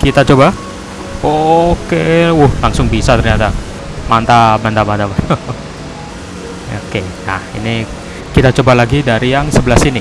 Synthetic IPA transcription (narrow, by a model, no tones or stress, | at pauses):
kit̪at͡ʃoba | okeʊhlaŋsʊŋbisat̪ərɲat̪a | mant̪abant̪amant̪amao | okena̰hḭni | kit̪at͡ʃobalaɡidaɾijaŋsəbəlasini